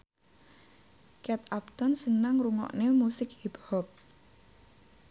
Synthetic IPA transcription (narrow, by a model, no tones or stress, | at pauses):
kɛt̪ap̚t̪ɔnsənaŋɾuŋɔ̰ʔnemusɪk̚hiphɔp̚